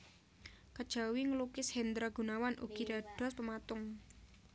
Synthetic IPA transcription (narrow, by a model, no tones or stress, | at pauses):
kad̥ʒ̥a̤wiŋəlukɪshɛnd̪ɾaɡ̥ṳnawanʔṵɡ̥id̪̥aɖ̥ɔ̤spəmat̪ʊŋ